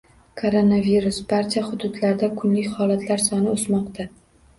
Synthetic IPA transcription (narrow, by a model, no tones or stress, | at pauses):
kʰoɾonaviɾʊsbaɾt͡ʃʰahʊd̪ʊd̪laɾd̪akʰʊnlɪkʲhɒlat̪ʰlaɾsɒnɪosmɒqt̪ʰa